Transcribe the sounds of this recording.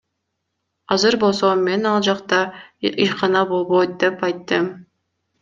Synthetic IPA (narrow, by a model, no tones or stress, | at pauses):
ɑzɨɾbo̞lˠsome̞nɑlˠd͡ʒɑqt̪ɑijqɑnɑbo̞lˠβojt̪̚d̪e̞pɑjt̪ːɨm